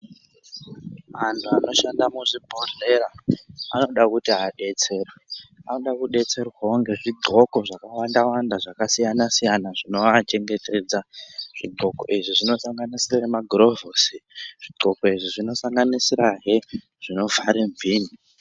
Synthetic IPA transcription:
mantʰuano̞ʃandamuʐibʱoreɾaa̰no̞ɗakutiaɗe̞t͡se̞ːrweano̞ɗakuɗe̞t͡se̞rwaoŋɡe̞ʐiɡʱo̞ko̞ʐakawandawandaʐakasijanasijanaʐino̞at͡ʃe̞ŋɡe̞te̞d͡zaʐ̥iɡʱo̞ko̞̰iʐiʐino̞saŋɡanisiraɦemaɡro̞vosiʐ̥iɡ͡ǃʱo̞ko̞iʐiʐino̞saŋɡanisiɾaɦe | ʐ̥ino̞vaɾeɱviːni

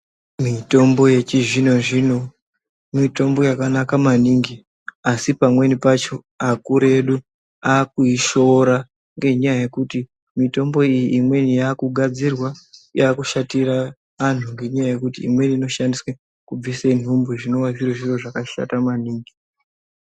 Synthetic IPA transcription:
mito̞mbo̞je̞t͡ʃiʐino̞ʐino̞ | mito̞mbo̞jakanakamaniːŋɡi | asipamwe̞nipat͡ʃo̞ | akuɾe̞ɗu | akuiʃo̞ɾa | ŋɡe̞ɲajaje̞kuti | mito̞mbo̞ijiʔːmwenijaːkuɡʱad͡zirwajaːkuʃatiɾa | ʋan̤uŋɡe̞ɲajaje̞kutḭːmwe̞niːno̞ʃandiswe | kub͡visen̤umbuʐino̞wazireʐiro̞ʐakaʃa̰tamaniːŋɡi

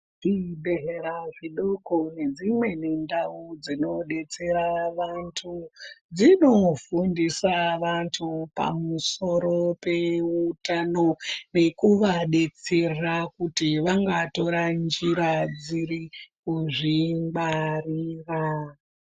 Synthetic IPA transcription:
ʐ̥ibeɦeɾaʐiɗokone̞d͡zimwe̞ne̞ndaud͡zino̞ɗe̞t͡se̞ɾaʋantʰud͡zino̞fundisaʋantʰupa̰muso̞ɾo̞pe̞utano̞ne̞kuʋaɗe̞t͡se̞rrakutiʋaŋɡato̞ɾand͡ʒiɾad͡ziɾikuʐimbariːra

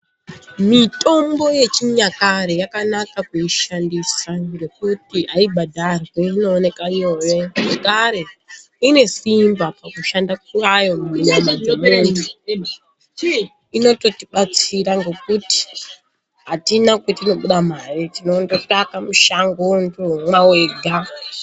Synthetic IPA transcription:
mito̞mbo̞je̞t͡ʃiɲakaɾejakanakakeiʃandisare̞k̚utiaibʱadʱarwweino̞ːne̞kaiojeʐekaɾe̞ | ine̞simbapakuʃandak̚urajo̞muinomaemeni | ino̞to̞tiɓat͡siɾaŋɡe̞kuti̥ | ɦatinakwetino̞ɓuɗamaritinontotakamuʃaŋɡondomwawe̞ːɡʱa

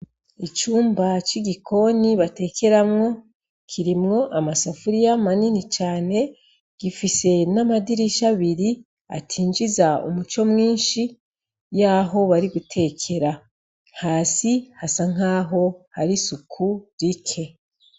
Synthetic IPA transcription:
it͡ʃuːmbat͡ʃiɡikʰo̞niβate̞ːkʰe̞ɾamŋo̞ | kʰiɾimŋo̞ʔamasafuɾijamaninit͡ʃaːne̞ | ɡ̥ifise̞namadiɾiʃaβiɾi | a̰tʰiːnd͡ʒizaṵmut͡ʃo̞mŋiːnʃi | jaːɦo̞βaɾiɡutʰe̞ːkʰe̞ɾḁ | haːsihasaŋ̥aːɦo̞haɾisukʰuɾikʰe̞

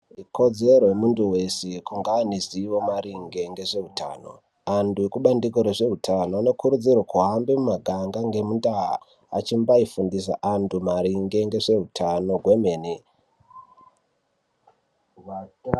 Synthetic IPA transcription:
iko̞d͡ze̞ɾoemunduwe̞sekuŋɡaːniziwo̞maɾiŋɡe̞ŋɡe̞ʐe̞ɦutʰa̰ːno̞̰ | anduekuɓandik̬oɾeʐe̞utʰanoane̞kuɾud͡zirwakuɦambemumaɡʱaŋɡaŋɡe̞mundaɦa̰ | a̰t͡ʃimbaifundis̬a̰ʔantumaɾiŋɡe̞ŋɡe̞ʐe̞utʰano̞ɡwe̞me̞ːni

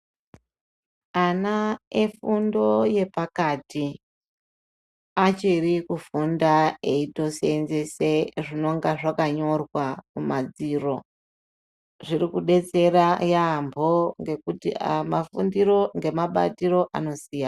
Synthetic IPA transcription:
anaefundo̞je̞pakati | at͡ʃirikufundae̞ito̞senze̞se̞ʐino̞ŋɡaʐakaɲo̞rwamumad͡ziro̞ | ʐiɾikuɗe̞t͡se̞ɾajambʱo̞ŋɡekutḭmafundiɾo̞ŋɡe̞maɓa̰tiɾo̞ʔa̰no̞siːjan

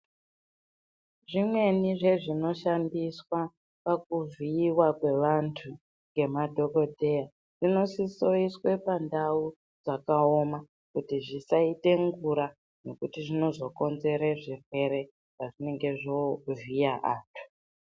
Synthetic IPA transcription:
ʐimwe̞niʐe̞ʐino̞ʃandiswa | pak̚uviːwakwe̞ʋantʰu | ŋɡe̞madʱo̞ko̞dʱe̞ja | ʐ̥ino̞siso̞iswepandau | d͡zakaoma | kutiʐisaite̞ŋɡuɾa | no̞kutiʐino̞zo̞ko̞nze̞ɾeʐirwe̞ɾe̞ | ʐaʐine̞ŋɡe̞ʐovijaʔaːtʰu̥

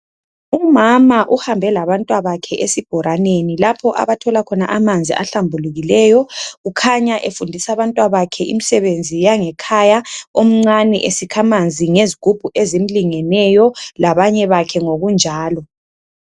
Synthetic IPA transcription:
umamaʔuhambʱɛlaβantʼwaβakʰɛʔesib̥ʱɔɾanenilapʰɔʔa̰βatʰɔlakʰɔnaʔamand͡zʱḭʔa̰ɬambʱuluɣilɛjɔɣukʰaɲaʔefundʱisaβantʼwaβakʰɛʔḭmisɛβend͡zʱijaŋɛkʰajaom̩ŋ͡ǀanɛ̰ʔesikʰamand͡zʱiŋeziɡ̥ʱub̥ʱuʔezem̩liŋɛnɛjɔlaβaɲɛβakʰɛŋoɣund͡ʒʱaːlɔ

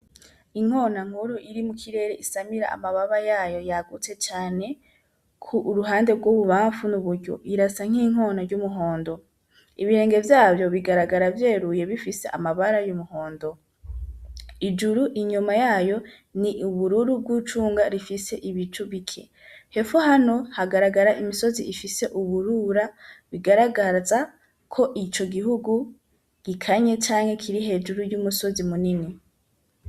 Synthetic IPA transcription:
iŋ̥ho̞ːnaŋ̥huɾuʔiɾimukʰiɾe̞ːɾeisamiɾa̰a̰maβaβajaːjo̞jaɡut͡se̞t͡ʃaːne̞ | kʰuːɾuɦaːnde̞bɡwoβuβaːɱfunuβuɾɟo̰ʔiɾasaŋ̥hiːŋ̥o̞ːnaɾɟumuɦo̞ːndo̞ | iβiɾe̞ːŋɡe̞vjaːbjo̞βiɡaɾaɡaɾavje̞ːɾuje̞βifise̞̰ʔa̰maβaɾajumuho̞ːndo̞ | id͡ʒuɾuʔiɲumajaːjo̞ | niʔuβuɾuɾub̚ɡut͡ʃuːŋɡaɾifise̞ʔiβit͡ʃuβikʰe̞̰ | he̞fohano̞haɡaɾaɡaɾaʔimiso̞ziifise̞ʔuβuɾuɾaβiɡaɾaɡaza | kʰo̞ʔit͡ʃo̞ɡihuɡu | ɡ̥ikʰaɲe̞t͡ʃaːŋhe̞kʰiɾihe̞ːd͡ʒuɾujumuso̞zimunini

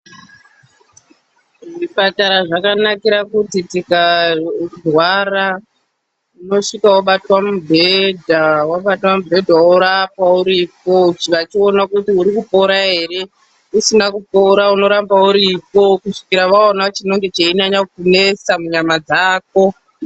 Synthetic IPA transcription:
ʐipataɾaʐakanakiɾakutitika | rwara | uno̞ʂikawaɓatwamubʱe̞dʱawaɓatwamubʱe̞dʱaoɾapauɾipo̞t͡ʃʋat͡ʃio̞nakutiuɾikupo̞ɾaɦe̞ɾe̞ | usinakupo̞ɾauno̞ɾambauɾipo̞kuʂi̥kiɾaʋaonat͡ʃino̞ŋɡe̞t͡ʃeiɲaɲakune̞samuɲamad͡zaːk̚o̞

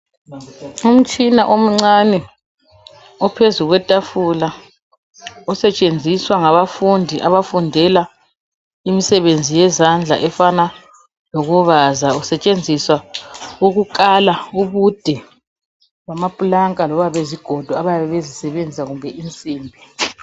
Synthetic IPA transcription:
um̩t͡ʃʼinaʔom̩ŋ͡ǀanɛ | ɔpʰezuɣwɛtʼafula | ɔsɛt͡ʃʼend͡zʱiswaŋaβafundʱiʔaβafundʱɛla | imisɛβend͡zʱijɛzand͡ɮʱa̰ʔɛfana | loɣuβazausɛt͡ʃʼend͡zʱiswauɣukʼalauβud̥ʱɛ | ɣamapʼulaŋkʼalɔβaβeziɡ̥ʱɔd̥ʱɔaβajaβɛβezisɛβend͡zʱisaɣumbʱɛint͡sʼiːmbʱi

